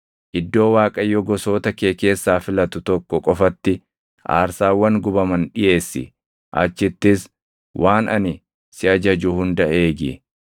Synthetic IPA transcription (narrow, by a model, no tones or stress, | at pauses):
ʔɪd̪ːo̞ːwaːkʼɐjːɔɡɔso̞ːt̪ɐke̞ːke̞ːsːaːfɪlɐt̪ʊt̪ɔkːɔkʼɔfɐt̪ːɪ | ʔa̰ːɾsaːwːɐŋɡʊbɐmɐnᶑɪʔe̞ːsːɪ̰ | ʔɐ̰t͡ʃːɪt̪ːɪs | wʔaːnɐ̰nɪ | sɪɐd͡ʒɐd͡ʒʊhʊnd̪ɐʔeːɡɪ̰